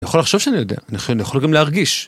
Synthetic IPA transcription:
nijaχolaχʃo̞vʃeanijod̪e̞̰aniχonijaχolɡamleaʁɡiʃ

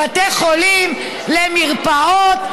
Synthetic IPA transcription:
at̪eχolim | lemiʁpaot̪

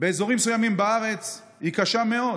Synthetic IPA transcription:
beːzo̞ʁimsujamimbaaʁe̞t͡s | hikaʃame̞o̞d

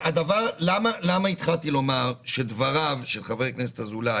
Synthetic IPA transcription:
ad̪avaʁlamalamait̪χalt̪ilo̞maʁʃed̪vaʁavʃelχaveknese̥t̪hazula

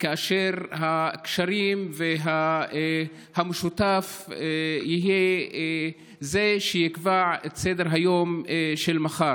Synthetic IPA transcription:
kaaʃeʁhakʃaɾimveɦa | hameʃut̪af | jiɦije | zeʃejikvaʕet̪sed̪eʁɦajo̞mʃelmaχaɾ

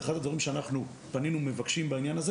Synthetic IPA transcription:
eχad̪ad̪vaʁimʃeanaχnu | paninume̞vakʃimbainjanaz

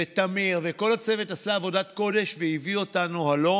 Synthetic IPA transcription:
et̪amiʁveko̞lhat͡se̞vetasaːvo̞datko̞d̪e̞ʃveivio̞tanuhalo̞

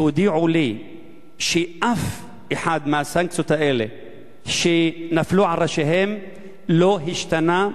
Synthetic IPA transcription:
hud̪iʕuli | ʃeʔaf | ʔeħad̪mehasaŋksot̪aʔele | ʃenafluʕalɾaʃeɦem | loɦiʃt̪ana

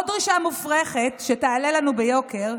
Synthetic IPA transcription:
odʁiʃamufʁeχetʃeteːlelanubejo̞keʁ

